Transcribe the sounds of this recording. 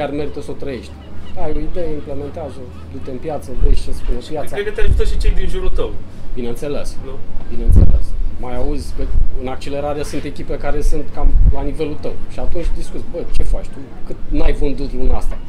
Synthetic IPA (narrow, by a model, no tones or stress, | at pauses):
kʲjarme̞ɾit̪əsəot̪ɾəje̞ʃt̪ʲajo̞id̪ejeimple̞me̞nt̪eazə | d̪ut̪eɨmpjat̪sənt̪eʃt͡ʃespunesujatsaɾekət̪eaʒut̪əʃit͡ʃejd̪inʒuɾut̪əwbineɨnt̪se̞lesbineɨnt̪sḛlḛsmajauzʲkəɨnak̚t͡ʃele̞ɾaɾeesunt̪e̞kʲipekaɾe̞sɨnt̪kamlanive̞lut̪əwʃiat̪unt͡ʃʲd̪iskut̪sʲbət͡ʃe̞fat͡ʃt̪ukɨt̪nuajvɨnd̪ut̪luna̰st̪a